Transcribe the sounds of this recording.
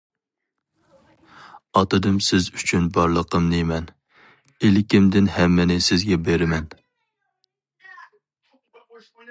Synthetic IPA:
ɑt̪ɨd̪ɨmsɪzyt͡ʃʰynbɑɾlˠəqʰəmnemɛn | elɪkʲɪmd̪ɪnhɛmːɪnɪsɪzɡʲɛbeɾɪmɛn

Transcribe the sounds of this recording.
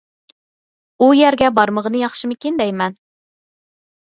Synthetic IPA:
ujɛɾɡʲɛbɑɾməʁənɨjɑχʃɨmɨkʲind̪ɛjmɛn

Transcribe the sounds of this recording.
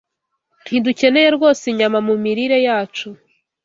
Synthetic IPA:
n̥iduce̞ne̞je̞ɾɡo̞ːseɲamamumiɾiɾe̞jaːt͡ʃu

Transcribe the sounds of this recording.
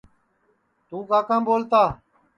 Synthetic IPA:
t̪uːkaːkãːmboːlt̪aː

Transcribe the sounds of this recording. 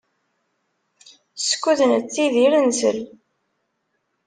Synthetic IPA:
sə̥kːuðnət͡sːiðiɾənsə̰l

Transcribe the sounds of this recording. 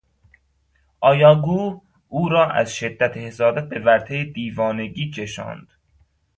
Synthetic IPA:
ʔɒːjɒːɡuː | uːɾɒːʔæ̰zʃe̞d̪ːæt̪ʰehesɒːd̪æt̪̚be̞væɾt̪ʰejed̪iːvɒːne̞ɟiːcʰe̞ʃɒ̰ːnd̪̥

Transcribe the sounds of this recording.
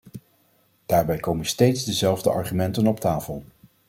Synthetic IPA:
d̥aːɹbɛjkowmənstejtzdəzɛlˠvdəʔɑ̰ɹχymɛntənɔptaːfəlˠ

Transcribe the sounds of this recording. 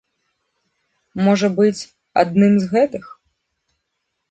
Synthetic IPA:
mɔʐɐbɨt͡sʲ | a̰d̪̚nɨmzɣɛt̪ɨx

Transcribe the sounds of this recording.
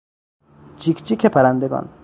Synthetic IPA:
d͡ʒikt͡ʃikʰepʰæɾand̪eɡɒ̰n

